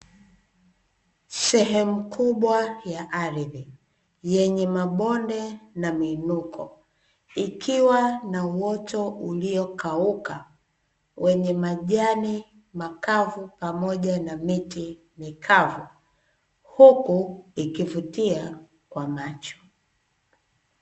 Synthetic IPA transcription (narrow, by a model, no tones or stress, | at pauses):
sɛɦɛmukuɓwajaʔaɾiði | jɛɲɛmaɓɔndɛnaminukʰɔ | ikʰiwanauwɔtɔʔuliɔkauka | wɛɲɛmaʄani | makavupamɔʄanamiti | mikʰavu | hukuikivutia | kwamat͡ʃɔ̥